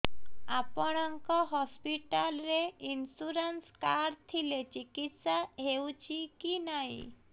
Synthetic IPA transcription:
apɔɽ̃aŋkɔɦɔspiʈalɾeinsuɾənskaɾt̪ʰilet͡ʃikit̪saɦewt͡ʃʰikinaɦḭ̃

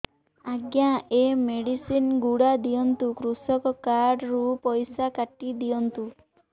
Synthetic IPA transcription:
aɡjaemeɽisinɡuɽad̪ijɔnt̪ukɾusɔkɔkaɾɖɾupɔjsakaʈid̪ijɔnt̪u

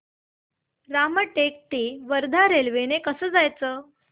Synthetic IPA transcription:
ɾaməʈek̚ʈ̪iːʋəɾd̪ʱaɾelʋenekəsəːd͡zajt͡səː

